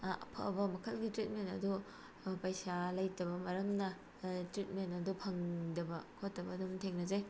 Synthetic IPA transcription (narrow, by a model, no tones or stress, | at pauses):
ɐ̰pʰɐ̰bɐmɐkʰɐlɡitɾit̚mentɐ̰du | pɐjsalɐjtɐbɐmɐɾɐmnɐ | tɾit̚mentɐdupʰɐŋdɐbɐkʰotːɐbɐːdumtʰeŋnɐzaj